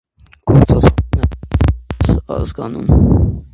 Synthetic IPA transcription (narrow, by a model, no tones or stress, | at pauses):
ɡ̥ʰɔɾt͡sʰɑznɛ | sɑ̰zɡɑnum